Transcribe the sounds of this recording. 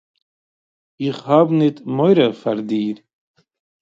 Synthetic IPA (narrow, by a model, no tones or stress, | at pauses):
iχhaːbnit̪mojɾɐfɐɾd̪iːɾ